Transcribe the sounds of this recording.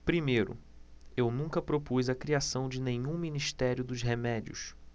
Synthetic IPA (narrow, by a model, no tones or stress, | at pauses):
pɾimejɾʊ̰ | ewnũŋkɐpɾopuzɐkɾiasɐ̃w̃d͡ʒɪnẽɲũminiʃt̪ɛɾjʊd̪ʊzɦemɛd͡ʒiʊ̰s